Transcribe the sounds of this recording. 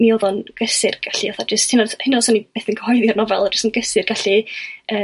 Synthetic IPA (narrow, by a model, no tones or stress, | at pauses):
nioːðɔnɡ̥əsɪrɡ̥aɬiɔθad͡ʒəstʰɪnadhɪnɔsɔnib̥eːθənkʰəhɔjðjɔrnɔvɛlˠd͡ʒəsənɡəsɪrɡ̥aɬiəː